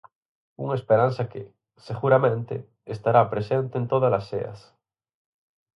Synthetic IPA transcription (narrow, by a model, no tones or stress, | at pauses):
uŋaespeɾan̟θake | seɣuɾamẽnt̪ḛ | est̪aɾapɾesẽnt̪ent̪oðalasḛɐ̰s